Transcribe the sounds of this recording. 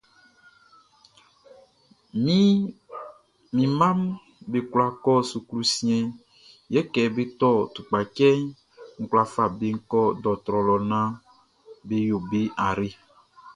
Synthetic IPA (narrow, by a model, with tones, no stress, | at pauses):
mi˦ | mĩ˨mã˦m | be˨kla˨kɔ˦su˨klu˦sĩ˦ɛ̃˨ | jɛ˦kɛ˨be˦t̪ɔ˦˨t̪u˨k͡pa˨kɛ˦n | ŋ̩˨kwla˨fa˨be˦ŋ̩˦kɔ˦dɔ˨t̪ɾɔ˨lɔ˨nã˦ | be˦jo˨be˦a˨ɾe˦